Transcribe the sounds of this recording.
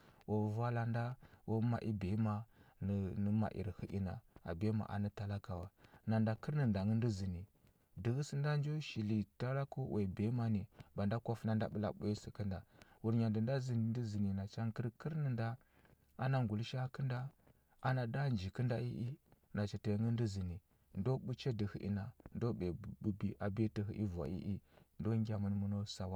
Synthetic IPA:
wo˨va˦la˦nda˦wo˦ma̰˨ʔi˦be˨˦ma˨n˨nə˦ma̰˨ʔḭ˨ɾhə˦ʔḭ˦na̰˨a̰˨be˦ma̰˨ʔa̰˨nə˦ta˨la˦ka˨wa˨na˨nda˨kə˦ɾnə˨nda˨ŋə˦n˦di˦zi˨ni˨ | də˨ɣə˦sə˦nda˦n˦d͡ʒo˦ʃi˨li˨ta˦ɾa˦ku˦wʔe˨be˨˦ma˦ni˨ba˨nda˦ka˦fna˦nda̰˦ɓə˦la̰˦ɓu˦i˦si˨kə˦nda˨wu˨ɾɲa˨ndə˨nda˦zi˨n˨ndi˦zi˨ni˨na˨t͡ʃa˦ŋkə˦ɾkə˦ɾnə˨nda˦ | a̰˦na˦ŋɡu˨lʃa˦kə˦nda˦ | a˦na˨da˦nd͡ʒi˨kə˦nda˦ḭ˦ʔi˦na˨t͡ʃa˨te˨ŋə˦n˦di˦zi˨ni˨ | ndo˦ɓu˦t͡ʃe˦də˨hi˨ʔḭ˨na˨ndo˦ɓe˨bu˦bi˦ʔa˨be˦tə˨ɦḭ˨ʔḭ˦va̰˨ḭ˦ʔi˦ndo˦ŋɡʲa˨mə˦nmu˦no˦sa˨wa˦

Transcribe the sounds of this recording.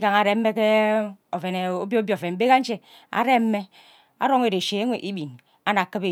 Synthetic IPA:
ka˨ŋa˨ɾe˨m̩˦me˦ke˦o˨fe˨ne˨o˦bjo˦bjo˨fe˨nm̩˦be˦ka˦n̩˦t͡ʃe˦ | a̰˨ɾe˦m̩˦mːe˦ | a̰˦ɾo˦ŋe˦de˨ʃe˨e˦ŋʷe˨ʔi˦bi˨n | a˦na˨kɨ˦be˨

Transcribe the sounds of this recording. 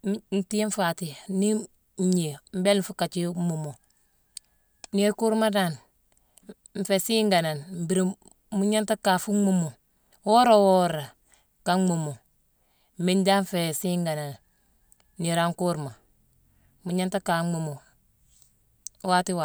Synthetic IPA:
n̩˨ti˦e˦ɱ˦fa˨ti˨ni˦ | ɲe˨m̩˦be˦l̩˦fu˦ka˨t͡ʃi˦mu˨mo˨ | ni˦ɾku˦ɾma˦da˨n | ɱ̩˨fe˨siː˦ŋɡa˨na˨nm̩˨bi˦ɾe˨ | mu˦ɲa˦nta˦ka˨fu˦mu˦mo˨ | wo˦ɾa˨wo˦ɾa˨ | ka˦mu˨mo˨ | m̩˨bi˦nd͡ʒa˦ɱ˦fe˨si˦ŋɡa˨na˨n | ni˨ɾa˨˦ŋku˦ɾma˨ | mu˨ɲa˦nta˦ka˨ŋ͡mu˨mo˨ | wa˦ti˦wa˨

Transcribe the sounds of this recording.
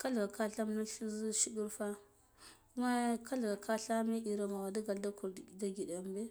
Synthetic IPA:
ka˦lɡa˨ka˦ɬa˦m˦na˦ɬu˦zi˦ʃi˦ɡi˦ɾfa˦ | ku˦ma˦kʰa˦lɡa˨kʰa˦ɬa˦mi˦i˨ɾa˨ma˨wa˨da˦ɡa˨lda˦ku˨ɾda˦ɡi˨da˨m˦be˦

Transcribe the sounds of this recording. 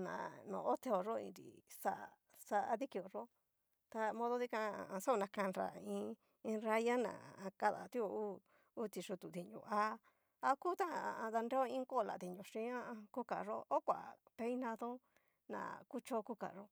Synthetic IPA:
nã̰˨nõ̰˨ʔo˦t̪e˧o˨ʐo˦ḭ̃˧ɾḭ˨sa˦ʔ | sa˧ði˦ki˧o˨ʐo˦ | t̪a˧mõ˧ðo˧ði˦kã˧a˧sa˦o˧nã˧kã˧nɾa̰˨˧ĩ˧ | ĩ˧ɾa˧ja˦nã̰˨˧ka˦ða̰˨t̪u˦o˧uː˦ | t̪i˧ʂu˧t̪u˨t̪i˧ɲṵ̃˧˨ʔa˧ | a˧ku˦t̪ã˦˨˧ða˧nde˦o˦ĩ˦ŋko˦˨la̰˨t̪i˨ɲõ˨ʂĩ˧˦ã˦˧ku˦ka˨ʐo˦o˦kʷa̰˨pe˧˦i˦nã˧ðõ˦ | nã̰˨˧ku˦t͡ʃo˦ku˦ka̰˨ʐo˦

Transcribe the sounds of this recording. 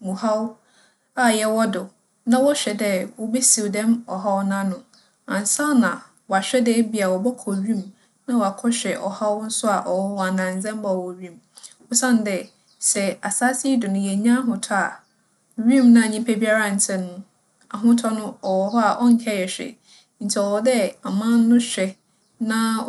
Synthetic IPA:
mũ˨ha˦w | a˨jɛ˨wɔ˦dʊ˨ | nã˦wɔ˦ɕᶣɛ˨dɛ˦wɔ˦be˦si˨wdɛ̃˦mɔ˨ɦa˦wnã˦nʊ̃˦ | ã˨n˨sa˦nã˨ | wɔ˨a˨ɕᶣɛ˦dɛ˦bi˨˦a˨wɔ˨bɔ˦kʰɔ˨ɥĩ˦˨m | nã˦wa˨kʰɔ˦ɕᶣɛ˨ʔɔ̰˨ha˦wn̩˦sʊ˦a˨ʔɔ˨wɔ˦wɔ˨a˨nã˨n˨d͡zɛ̃˦m˦ba˨wɔ˨ɥĩ˦˨m | ɔ˦sã˦n˨˦dɛ˨ | sɛ˨a˨saː˦si˦dʊ˨nʊ̃˦jɛ˨ɲã˦ɦʊ̃˨tʰɔ˦a˨ | ɥĩ˦˨mnã˨ɲĩ˦pʰɛ˦bi˦a˦ɾa˦˨n̩˨t͡sʰɛ̃˦nʊ̃˦ | a˨ɦʊ̃˦tʰɔ˦nʊ̃˦ɔ˨wɔ˨ɦɔ˦a˨ʔɔ˦ŋ̩˨kʰɛ˦˨jɛ˨ɕᶣɛ̰˨ | n̩˨tʰi˦ɔ˨wɔ˨dɛ˦a˨mã˦nː˦ʊ̃˦ɕᶣɛ˨ | nã˦

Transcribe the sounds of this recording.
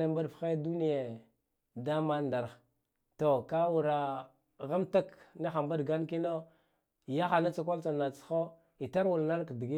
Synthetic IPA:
e˦mba˦dfxe˦du˦ni˦je˨ | da˦ma˦nda˨ɾx | to˨ka˦wu˨ɾa˨ | ɣa˦mta˦kni˦xa˨mba˦dɡa˦nki˦no˦˨ | ja˦xa˨na˦t͡sa˨k̬ʷa˦lt͡sa˨na˨t͡sxo˦ | i˨ta˦ɾwu˨lna˦ɾkdi˨ɡi˦

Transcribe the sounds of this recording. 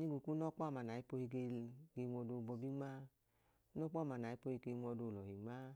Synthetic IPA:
ɲi˦ɡu˨ku˦nɔ˦k͡pɔ˦˨ma˨na˨i˦po˧hi˧ɡe˧ɡe˧ŋʷɔ˧do˧˨bɔ˧bi˦ŋ͡ma˦ | nɔ˦k͡pɔ˦˨ma˧˨na˨i˦po˧hi˧˨ke˧ŋʷ˦ɔ˧do˧˨lɔ˨hi˨ŋ͡ma˦

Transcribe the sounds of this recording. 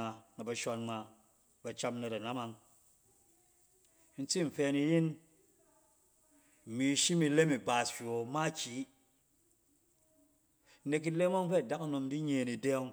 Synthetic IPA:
a˨na˨bɐ˨ʃɔ˧nma˨ | ba˨t͡ʃa˧mna˨ta˨na˦ma˧ŋ˦ | n̩˦t͡si˦˨m̩˨fɛ˧˦ni˧ji˦n˨ | mi˨˦ʃi˦mi˧le˦mi˨ba˨sʃʲo˨ma˦t͡ʃi˨˦ | ne˧k̬i˦le˦mʷa˦ŋ˦fe˦a˨da˦ka˦no˧mdi˦ɲe˨ni˨de˦ŋ

